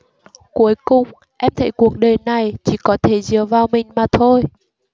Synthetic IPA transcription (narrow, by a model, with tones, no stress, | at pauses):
ku˨˦əjkʊ˨˩ŋ͡m | ʔɛ˧mt̪ʰə̰˧˩jku˧˩ək̚ɗəː˨˩jna˨˩jt͡ɕi˧˩kɔ˨˦t̪ʰe˧˩zɨ˨˩əvaː˨˩wmï˨˩ŋ̟maː˨˩t̪ʰo˧j